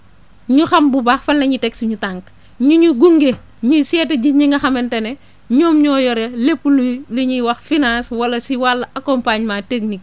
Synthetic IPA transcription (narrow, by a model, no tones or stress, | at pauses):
ɲuxɐmbubaːxfɐnlɐɲitɛksɲutaŋk | ɲuɲuɡuŋɡe | ɲusɛtɐɟiɲiŋɡɐxɐmɛntɐne | ɲoːmɲɔːjɔɾelepːulliɲiwɐxfinãːswɐlɐsiwalːɐʔɐkɔmpaɲmaːteknik̚